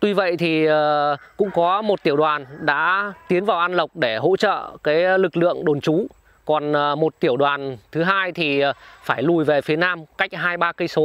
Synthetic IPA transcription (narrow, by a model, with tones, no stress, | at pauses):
t̪wi˧və̰˧˨jt̪ʰiː˨˩˨kʊ̰˧˥ŋ͡mkɔ˨˦mo˨˩t̚t̪i˧˩əwɗwaː˨˩nɗa̰ː˧˥t̪i˨˦ənvaː˨˩wʔa˧nlə˨˩wk͡p̚ɗe˧˩ɦo̰˧˥t͡ɕə̰ː˧˨kaː˨˦jlɨ˨˩k̚lɨ̰˧˨əŋɗo˨˩nt͡ɕu˨˦ | kɔ˨˩nː˨˩mo˨˩t̚t̪i˧˩əwɗwaː˨˩nt̪ʰɨ˨˦ɦaː˧jt̪ʰi˨˩˨faː˧˩jlu˨˩jve˨˩fi˨˦ənaː˧mka˦˥jk̟̚ɦaː˧jɓaː˧kə˧jso˨˦